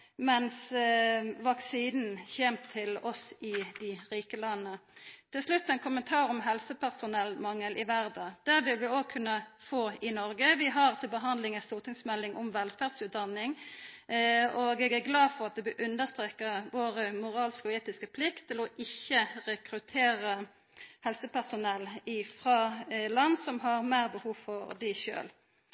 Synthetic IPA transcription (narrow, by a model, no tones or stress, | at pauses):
mɛns | ʋɑksiːnn̩çɛmt̪ʰːɪlɔsɪd̪ɪʁiːkəlɑnːət̪ʰɪlslʉt̪ːɛɪnkʰʊmənt̪ʰɑːɾɔmɦɛlsəpæʁsʊnɛlmɑŋəlʔɪʋæʁd̪d̪̥æʁʋɪlʋɪoːɡ̚kʰʉnːəfoːɪnɔɾɡəʋɪɦɑʁt̪ʰɪlbəɦɑnd̪lɪŋɛnst̪uːʁt̪ʰɪŋsmɛlːɪŋʔɔmʋɛlfæːʁd̪sʉːt̪̚d̪ɑnːɪŋ | ɔɡeːɡæʁɡlɑːfɔʁɑt̪̚d̪ɛbøʔʉnd̪əst̪ʁeːkəʋoːʁəmʊʁɑːlskɔeːt̪ɪskəpʰlɪkt̪ʰːɪlɔʔɪçːəʁɛkɾʉt̪ʰeːʁə | hɛlsəpʰæʁsʊnɛlːɪfʁɑːlɑnːsɔmɦɑʁmæːʁbəhuːʋfɔʁd̪æʃø̰ːl